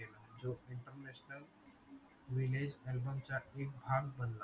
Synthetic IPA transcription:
eləd͡ʒoiɳʈəɾnesnəl | ɾiled͡ʒelbəmt͡ʃaek̚bʱaɡ̚bənla

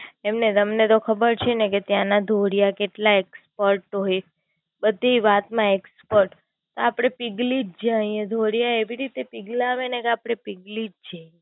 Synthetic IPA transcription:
emnet̪əmnet̪okʰəbəɾt͡ʃʰeneket̪jãnad̪ʱoɽjakeʈlaekspəɾʈɦoj | bəd̪ʱiʋat̪mãekspəɾʈ | t̪oapɽ̃epiɡlid͡ʒd͡ʒaĩed̪ʱoɽijaeʋiɾit̪epiɡlaːʋenekeapɽ̃epiɡlid͡ʒd͡ʒaĩ

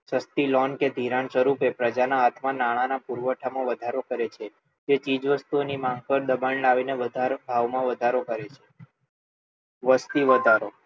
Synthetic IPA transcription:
səst̪ilɔnked̪ʱiɾãɳsəɾupepɾəd͡ʒanaːt̪ʰmãnaɭ̃anapuɾʋəʈʰamãʋəd̪ʱaɾokəɾet͡ʃʰe | d͡ʒet͡ʃid͡ʒʋəst̪uonimãŋɡ̚pəɾd̪əbaɳlaʋineʋəd̪ʱabʱaʋmãʋəd̪ʱaɾokəɾet͡ʃʰe̥ | ʋəst̪iʋəd̪ʱaɾo

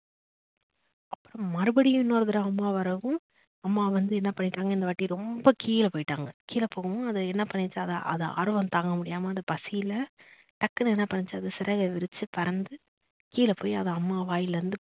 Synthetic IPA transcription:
ɐpːɯɾɐ̃mɐɾɯbɐɽɪjʊ̃ɪnːoːɾɐðɪɾɐɐmːaːʋɐɾɐʋʊ̃ | ɐmːaːʋɐnd̪ɯɛnːɐpɐɳːɪʈːaːŋɡɐɪnd̪ɐʋɐʈːiɾɔmbɐkiːlɐpoːjɪʈːaːŋɡɐkiːlɐpoːɣɐʋʊ̃ɐðɯɛnːɐpɐɳːɪt͡ʃːɯɐðɐʔɐ̰ðɐ̰ʔɐ̰ɾɯʋɐ̃nt̪aːŋɡɐmʊɽɪjaːmɐɐnðɐpɐsɪjɪlɐ | ʈɐkːɐnɛnːɐpɐɳːɪt͡ʃːɯɐðɯsɪɾɐɣɐʋɪɾɯt͡ʃːɯpɐɾɐnd̪ɯ | kiːlɐpoːjɐðɐɐmːaːʋaːjɪlʋɐnd̪ɯ

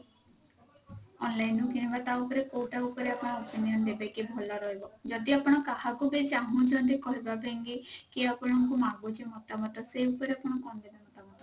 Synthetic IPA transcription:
ɔnlajnukinibat̪aupɔɾekoʈaupɔɾeapɔɽ̃ɔɔpinijɔnd̪ebakibʱɔlaɾɔɦebɔd͡ʒɔd̪iapɔɽ̃ɔkahakubed͡ʒaɦũd͡ʒɔnd̪ikɔɦibabeŋɡekeapɔɽ̃ɔŋkumaɡut͡ʃimɔt̪amɔt̪ɔseupɔɾeapɔɽ̃ɔkɔnd̪ebamɔt̪aɦɔt̪ɔ

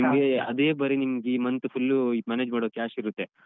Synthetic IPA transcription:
imɡeɐ̰d̪eːbɐɾinimɡiːmɐnt̪upʰulːmaːneːd͡ʒmaːɽoːkaːʃiɾut̪ːe

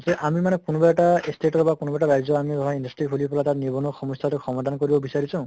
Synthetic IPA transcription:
seʔamimanɛkunɔbaɛʈaestʰeʈɔɹbakunɔbaʈaɾajzɔamibɔɦaindɔstɹikʰulipɔlatatnibɔnɔxʰɔmɔst̪ʰaɾekʰɔmad̪ʱankoɹibɔbisaɾisã

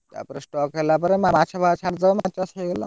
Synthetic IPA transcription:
t̪ja̰pəɾesʈɔkɦelapəɾemamat͡ɕʰabʱat͡ɕʰaʈ̚d͡zaʋəmat͡ɕaseɡelɔ

